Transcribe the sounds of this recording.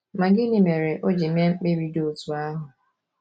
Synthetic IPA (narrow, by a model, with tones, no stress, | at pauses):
ma˨ɡɪ˦ni˨me˨ɾe˨ʔo˦d͡ʒi˨m˦e˦ŋ͡m̩˦k͡pe˦ɾi˦do˦˨tu˨a˦ɦʊ˨